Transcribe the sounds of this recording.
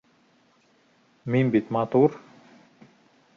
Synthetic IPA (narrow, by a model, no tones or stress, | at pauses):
mimbit̪mat̪ur